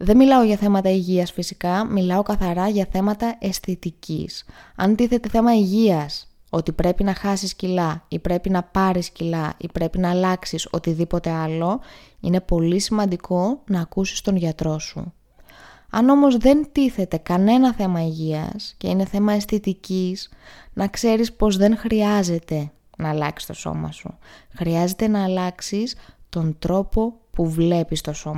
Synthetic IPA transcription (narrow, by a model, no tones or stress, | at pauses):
ðe̞nmilɐoʝɐθe̞mɐt̪ɐiʝiɐsfisikɐmilɐo̞kɐθɐɾɐʝɐθe̞mɐt̪ɐe̞sθit̪icḭsɐ̰nt̪iθe̞t̪e̞θe̞mɐiʝiɐs | o̞t̪ipɾe̞pinɐxɐsiscilɐipɾe̞pinɐpɐɾiscilɐipɾe̞pinɐːlɐksiso̞̰t̪iðipo̞t̪e̞ɐlo̞ine̞po̞lisimɐnd̪ikʰo̞nɐːkusi̥st̪o̞nʝɐt̪ɾo̞sṵ | ɐ̰no̞mo̞zðe̞nt̪iθe̞t̪e̞kɐne̞nɐθe̞mɐiʝiɐ̰sce̞ine̞θe̞mɐest̪it̪icisnɐkse̞ɾispo̞zðe̞ŋxɾiɐze̞t̪e̞ | nɐːlɐ̰ksi̥st̪o̞so̞̰mɐ̰sṵxɾiɐze̞t̪e̞nɐːlɐksist̪o̞nd̪ɾo̞po̞puvle̞pist̪o̞so̞mɐ